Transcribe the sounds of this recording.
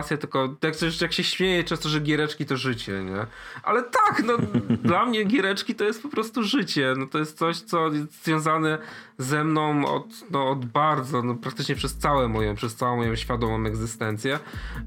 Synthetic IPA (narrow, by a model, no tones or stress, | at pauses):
tsʲjat̪ɘlkɔjaksɛʐt͡ɕjakɕɛɕmʲjejɛt͡ʂɛ̃ñst̪ɔʐɛɡʲjɛɾɛt͡ʂkʲit̪ɔʐɘt͡ɕɛ̰ɲɛʔa̰lɛt̪aknɔd̪lamɲɛɡʲjɛɾɛt͡ʂkʲit̪ɔjɛst̪̚pɔpɾɔst̪uʐɘt͡ɕɛnɔt̪ɔjɛst̪sɔɕt̪sɔjɛst̪z̥vʲjɔ̃zanɛzɛmnɔ̃w̃ɔ̰t̪nɔːd̪baɾd̪zɔnɔpɾak̚t̪ɘt͡ʂɲɛpʂɛst̪sawɛmɔjɔ̃pʂɛst̪sawɔ̃mːɔjɔ̃ɕfʲjad̪ɔmɔ̃mɛɡzɘst̪ɛnt̪sʲjɛ